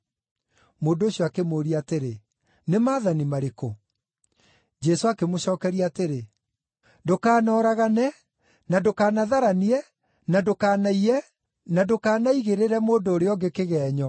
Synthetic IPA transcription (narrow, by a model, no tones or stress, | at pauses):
moːndooɕiɔakemoːɾiateɾe | nemaːðanimaɾeko | d͡ʒɛsoakemoɕɔːkɛɾiateɾe | dokaːnɔːɾaɣanɛ | nadokaːnaðaɾaniɛ | nadokaːnaiɾɛ | nadokaːnaiɣeɾeɾɛmoːndoːɾeɔɡekeɣɛːɲɔ